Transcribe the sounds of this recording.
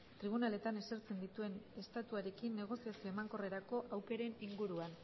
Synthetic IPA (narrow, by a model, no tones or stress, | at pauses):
t̪ɾiβ̞unale̞t̪ane̞seɾt͡se̞nd̪it̪ue̞ne̞st̪at̪uaɾe̞kinːe̞ɣ̞o̞siasio̞emaŋko̞re̞ɾako̞ʔawke̞ɾe̞niŋɡuɾuan